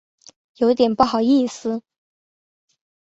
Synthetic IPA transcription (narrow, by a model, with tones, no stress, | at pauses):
jo˨˧ʊi˥t̪jɛ˨˩npu˥˩xɑ˨˩ʊi˥˩sɹ̩˩